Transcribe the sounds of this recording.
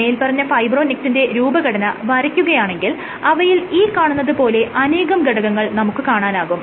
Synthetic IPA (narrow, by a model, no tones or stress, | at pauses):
ɐjilpɐrɐɲːɐfɐjbro̞ːnik̚sinde̞ɾuːbɐɡɐɽɐnɐʋɐɾɐkʲːuɣɐjaːɳe̞ŋɡil | ɐʋɐjiliːkaːɳunːɐðɨpo̞ːle̞ʔɐne̞ːɣɐmɡɐɽɐɣɐŋːɐɭnɐmukːɨkaːɳaːnaːɣum